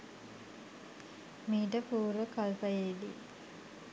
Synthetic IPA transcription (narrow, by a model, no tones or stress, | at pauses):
miːʈəpuːɾəkalpajeːd̪ḭ